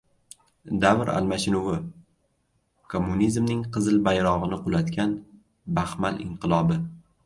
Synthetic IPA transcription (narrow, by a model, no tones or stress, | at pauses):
d̪avɾa̰lmaʃɪnʊwɪ | kʰomːunizmnɪŋqʰɨzɪlbajɾɒʁɨnɪqʊlat̪kʲan | bahmalʔɪ̰ɴqʰɨlˠɒbɪ